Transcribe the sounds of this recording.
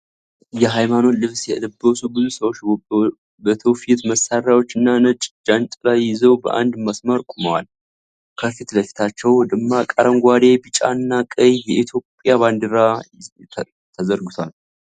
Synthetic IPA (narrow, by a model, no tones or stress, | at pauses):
jɛɦajmano̞lɨβsjɛɨd̪əbːəsubɨzusəwot͡ʃː | bət̪ʰəfit̪məsaɾjawo̞t͡ʃːɨnːanət͡ʃʼd͡ʒant̪ʼlajːɪzəwbə̰ʔa̰nd̪masməɾkʷʼuməwa̰l | kʰəfit̪ləfi̥t̪ʰat͡ʃːɛwd̪ɨmːakʼəɾəmɡʷad̪e̞bɨt͡ʃʼa̰nːakʼəjjɛʔit̪ʰjo̞pʼjaband̪ɨɾa | t̪ʰəzəɾɡɨt̪ʰal